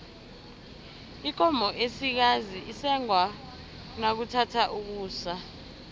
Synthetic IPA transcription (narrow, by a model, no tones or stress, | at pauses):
ik̬ʼɔmbʱɔʔesik̬aziʔisɛŋwa | nak̬utʰatʰaʔuk̬uːsa